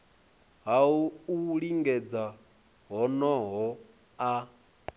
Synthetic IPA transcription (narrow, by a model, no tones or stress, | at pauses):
ɦauuɺiŋɡɛd͡za | ɦɔnɔɦɔ | a